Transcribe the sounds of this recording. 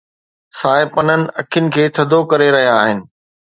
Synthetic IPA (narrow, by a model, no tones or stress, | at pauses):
saːɪpɐnənɪ̆ɐkʰɪjʊnɪ̆kʰeːt̪ʰɐd̪ʱokɐɾeɾɐɦijaːɦɪnɪ̆